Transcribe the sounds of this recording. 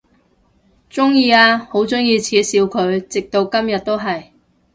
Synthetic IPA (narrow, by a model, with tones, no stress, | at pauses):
t͡sʊ˥ŋjiː˧aː˧ho˨˥wt͡sʊ˥ŋjiː˧t͡sʰiː˨˥siː˨˧wkʰɵ˨˧ɥt͡sɪ˨k̚t̪o˧wkɐ˥mjɐ˨t̚t̪o˥wɦɐ˨j